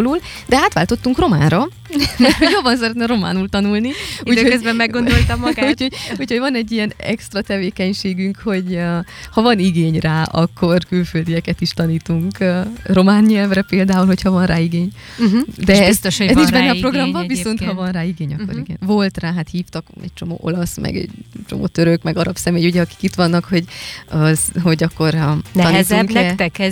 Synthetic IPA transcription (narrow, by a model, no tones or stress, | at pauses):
luːld̪ɛaːt̪ʋaːlt̪o̞t̪ːuŋkro̞ma̰ːnrɒ | mɛoɟjobːɒns̬ɛɾɛt̪nɛɾo̞ma̰ːnult̪ɒnulniuːd̪hoøzbɛmːɛɡɡo̞no̞lt̪ɒmːɡauːtcʰhoɟuchoɟvɒnɛɟːijɛnɛ̰kst̪rɒt̪ɛveːkɛɲʃeːɡyŋkho̞ɟ | hɒvɒniɡeːɲraːʔɒkːo̞rkylføld̪ijɛkɛt̪iʃt̪ɒniːt̪uŋkro̞maːnɲɛlvrɛpeːld̪aːulhochɒvɒnraːiɡeːɲ | d̪ɛt̪ʃɛziʃbɛnːɛːpro̞ɡrɒmbɒviso̞nt̪hɒvɒnraːiɡeːɲɒkːoɾiɡɛ̰nvo̞lt̪raːɦat̪hiːft̪ɒkɛ̰c̚t͡ʃo̞mo̰ːʔo̞̰lɒsmɛ̰ɡɛ̰ɟt͡ʃomo̰ːt̪øɾøkmɛɡɒɾɒpsɛmeːjuɟɛɒki̥kit̪ʋɒnːɒkho̞ɟɒzɦo̞ɟɒkːo̞rnɛɒnːzt̪ɛŋɛt̪ɛkɛ